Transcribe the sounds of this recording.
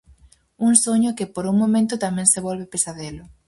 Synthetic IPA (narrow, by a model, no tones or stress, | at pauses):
uŋsoɲʊkɪpoɾuŋmõmẽnt̪ʊt̪amɛ̃ŋseβɔlβepesaðelʊ